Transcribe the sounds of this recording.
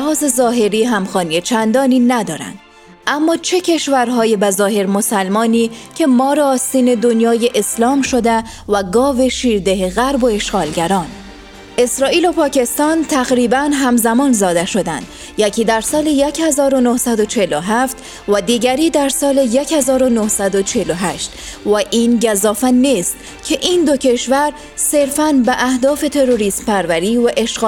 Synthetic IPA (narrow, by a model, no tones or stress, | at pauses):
hɒːze̞zɒːɦe̞ɾiːɦæmxɒːnijet͡ʃʰænd̪ɒːniːnæd̪ɒːɾæ̰nd̪̥ | ʔæmːɒːt͡ʃʰe̞cʲʰe̞ʃvæɾɦɒːjebæzɒːhe̞ɾmo̞sælmɒːniːcʰe̞mɒːɾeːst̪iːne̞d̪o̞njɒːjeʔeslɒːmʃo̞d̪æ | væɡɒːve̞ʃiːɾd̪eɦeɣæɾbo̞e̞ʃɡɒːlɟæɾɒːn | ʔe̞sɾɒːʔiːlo̞pʰɒːcʰe̞st̪ɒːnt̪ʰæɣɾiːbænɦæmzæmɒːnzɒːd̪eʃo̞d̪æ̰nd̪̥ | jæcʰiːd̪æɾsɒːlejecʰhezɒːɾo̞nohsæd̪o̞t͡ʃʰeloɦæft̪ | væd̪iːɟæɾiːd̪æɾsɒːlejechezɒːɾo̞nohsæd̪o̞t͡ʃʰeloɦæʃt̪væʔiːnɟæzɒːfænːiːst̪ | cʰeʔiːnd̪o̞cʰe̞ʃvæɾ | se̞ɾfænbeʔæhd̪ɒːfe̞t̪ʰe̞ɾoɾiːsmpʰæɾvæɾiːvæʔeʃɡː